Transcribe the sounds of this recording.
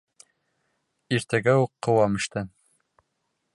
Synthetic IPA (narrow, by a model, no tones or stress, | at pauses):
iɾt̪æɡæuqːɤ̆wɑmɘ̆ʃt̪ɘ